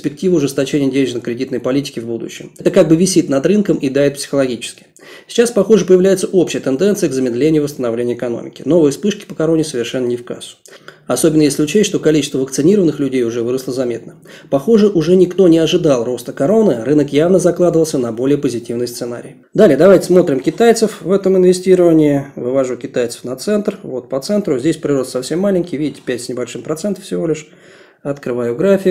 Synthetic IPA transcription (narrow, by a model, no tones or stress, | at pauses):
ɪsʲpʲɪk̚tʲivəʊʐɨst̪ɐt͡ɕenʲɪjədʲenʲɪʐɪnəkɾʲɪdʲit̪nəjpɐlʲitʲɪ̥kʲɪvbud̪ʊ̰ɕːɪmɛt̪əkaɡ̚bɨvʲɪsʲit̪nɐd̪rɨnkəmʔɪd̪aɾɪt̪psʲɪ̥xəlˠɐɡʲit͡ɕɪ̥skʲɪ̥ | sʲɪ̥t͡ɕaspɐxoʐɨpəjɪvlʲæjɪt̪səʔo̞pɕɪjət̪ɨnd̪ɛnsɨjəɡzəmʲɪd̪lʲenʲɪjʊvəst̪ənɐvlʲenʲɪʊɪkɐno̰mʲɪ̰kʲɪno̞vɨjəspɨʂkʲɪ̥pəkɐɾo̞nʲɪsəvʲɪrʂɛnːənʲɪfka̰sʊ̥ɐso̞bʲɪnːəjesʲlʲɪʊt͡ɕet̪ʲʂt̪o̞kɐlʲit͡ɕɪst̪vəvəkt̪sɨnʲiɾəvənɨxlʲʉdʲejʊʐɛvɨɾəslˠəzɐmʲe̞t̪nə | pɐxoʐɨʔʊʐɛnʲɪkt̪o̞nʲɪɐʐɨd̪alˠro̞st̪əkɐɾo̞nɨrɨnəkjavnəzɐklˠad̪əvəlˠsʲənɐbo̞lʲɪjəpəzʲɪtʲivnɨjst̪ɨna̰ɾʲɪ̰j | d̪alʲɪjəd̪ɐvajtʲɪ̥smo̞t̪ɾʲɪmkʲɪt̪ajt̪səfvɛt̪əmɪnvʲɪsʲtʲiɾəvənʲɪːvɨvɐʐukʲɪt̪ajt̪sə̥fnɐt̪sɛnt̪rvo̞t̪̚pət̪sɛnt̪ɾʊzʲdʲesʲpɾʲɪro̞st̪sɐfsʲe̞mːalʲɪnʲkʲɪjvʲidʲɪtʲɪ̥pʲætʲsʲnʲɪbɐlʲʂɨmpɾɐt̪sɛnt̪ə̥fsʲɪvo̞lʲɪʂ | ɐt̪kɾɨvajʊɡɾafʲɪ